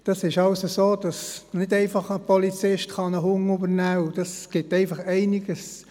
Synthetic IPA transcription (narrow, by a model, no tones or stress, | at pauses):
d̥ɑsɪʃɑʊsəsoːd̥ɑsnɪdɛɪfɑχəpɔlit͡sɪʃtχɑnəhʊŋʊbəɾnæːʊd̥ɑsɡ̥ɪtɛɪfɑχɛɪnɪɡ̥əs